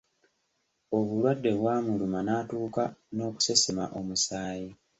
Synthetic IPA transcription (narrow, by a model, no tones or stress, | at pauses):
o̞βulwadːe̞βwaːmulumanaːtuːkano̞ːku̥se̞semaʔo̞musaːji